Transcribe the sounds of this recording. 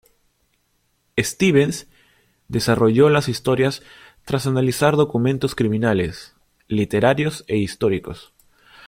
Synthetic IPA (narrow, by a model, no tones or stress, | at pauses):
est̪iβens | d̪e̞saro̞ʝo̞lasist̪o̞ɾjas | t̪ɾasanalisaɾðo̞kumẽnt̪o̞skɾimĩnale̞̰s | lit̪e̞ɾaɾjo̞seist̪o̞ɾiko̞̰s